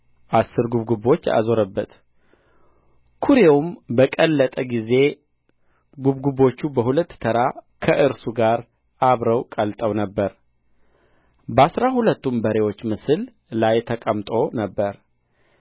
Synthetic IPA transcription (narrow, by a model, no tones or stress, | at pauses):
ʔasːɨɾɡuβɡubo̞t͡ʃːa̰zo̞ɾəbːət̪ | kʰuɾewumbəkʼəlːət̪ʼəɡize̞ | ɡuβɡubo̞t͡ʃːubəɦulət̪ːt̪ʰəɾakʰəʔɨɾsuɡaɾ | ʔaβɾəwkʼəlt̪ʼəwnəbːəɾ | bəasɾahulət̪ːumbəɾe̞wo̞t͡ʃːmɨsɨl | lajt̪ʰəkʼəmt̪ʼo̞nəbːəɾ